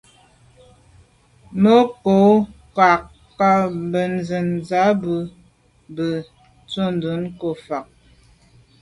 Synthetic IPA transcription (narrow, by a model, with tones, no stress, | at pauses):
mə˦ko˨˦ka˨k | ka˦bə˨n̩˨˦zə˨nza˨˦bə˨ | bə˨ | t͡so˦˨n˨du˨˦nko˨fa˨k̚